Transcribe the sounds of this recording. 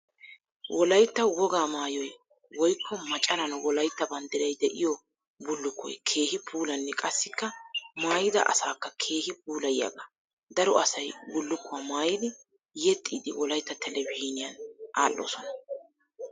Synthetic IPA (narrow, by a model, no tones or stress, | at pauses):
wʔɔlɐjt̪ːɐwɔɡaːmaːjɔj | wɔjkʰːɔmɐt͡ʃʼɐɾɐnwɔlɐjt̪ːɐbɐnd̪ɪɾɐjd̪ɛʔɪjɔ | bʊlːʊkːɔ̰jkʰe̞ːhɪpʰuːlɐnːɛkʼɐsːɪkːɐmaːjɪd̪ɐ̰ʔɐ̰saːkːɐkʰe̞ːhɪp̚uːlɐjja̰ɡa | d̪ɐɾɔʔɐsɐjbʊlːʊkːʊwamaːjɪd̪ɪ | jɛt̪ʼːiːd̪ɪwɔlɐjt̪ːɐt̪ʰɛlɛbɪhiːnɪjɐnʔa̰ːlːɔ̰ːsɔnɐ